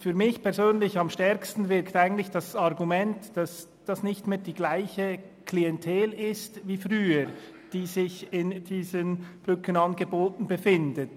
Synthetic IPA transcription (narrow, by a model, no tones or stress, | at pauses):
fyːɐmɪçpʰɛɐzøːnlɪçɑmʃtɛɾkstn̩vɪɾktaɪɡən̩tlɪçd̥asɑʁɡumɛntd̥as | d̥asnɪçtmeːd̥iːɡlaɪçə | kʰliɛntʰɛːlɪstviːfʁyːəɾ | d̥iːzɪçɪnd̥iːzənb̥ʁʏkənɑnɡəboːtn̩bəfɪndət